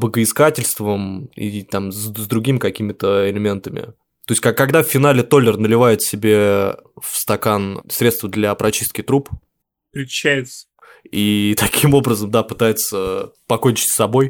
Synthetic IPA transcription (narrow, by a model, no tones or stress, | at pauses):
bəɡəɪskatʲɪlʲst̪vəmḭt̪amzzd̪ɾʊɡʲimʲɪkɐkʲimʲɪt̪əɪlʲɪmʲe̞nt̪əmʲɪ̰ | t̪o̞jɪsʲtʲkɐɐɡd̪afːʲɪnalʲɪt̪o̞lʲɪrnəlʲɪvajɪt̪sʲɪbʲe̞fst̪ɐkansɾʲe̞t̪st̪vəd̪lʲɐpɾʔɐt͡ɕist̪̚kʲɪt̪ɾup | pɾʲɪ̥ɕæjɪt̪sə̥ | it̪ɐkʲimo̞bɾəzəmd̪apɨt̪ajɪt̪səpɐkonʲt͡ɕɪ̥tʲsʲɐbo̞j